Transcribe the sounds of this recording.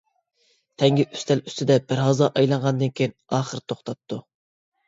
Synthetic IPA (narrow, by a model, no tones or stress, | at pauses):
t̪ʰɛŋɡʲiʔy̥st̪ʰɛly̥st̪ʰɪd̪ɛbɪɾɦɑzɑʔɑjlˠɑɴʁɑnd̪ɨnkʲʰijinɑːχəɾt̪ʰoχt̪ʰɑt̪ʰːu